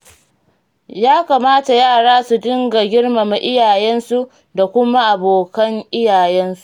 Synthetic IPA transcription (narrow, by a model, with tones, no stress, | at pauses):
jaː˦kaː˨maː˦ta˨jaː˦˨ɽaː˦su˨dɪ˦ŋɡa˨ɡʲɪ˦ɽma˨ma˨ʔɪ˦jaː˨jɛ˦nsu˦ | da˨kʷʊ˦ma˦ʔa˨boː˨kɐ˦ŋʔɪ˦jaː˨jɛ˦nsu̥˦˨ʔ